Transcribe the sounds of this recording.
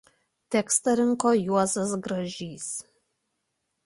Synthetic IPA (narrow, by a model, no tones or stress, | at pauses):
t̪ʲɛkst̪ɐɾʲɪŋkoːjuɔzɐsɡɾɐʒʲiːs